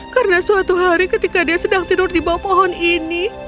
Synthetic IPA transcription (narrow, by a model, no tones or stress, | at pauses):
kaɾənasuat̪uɦaɾikət̪ikadiasədaŋt̪iɾʊrdibawapɔɦɔnini